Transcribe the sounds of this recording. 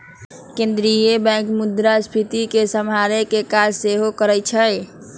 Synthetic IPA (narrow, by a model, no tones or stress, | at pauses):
kẽnd̪ɾijebɛ̃kmud̪ɾaspʰit̪ikesəmɦaɾekekad͡ʒseɦokəɾɛt͡ʃʰə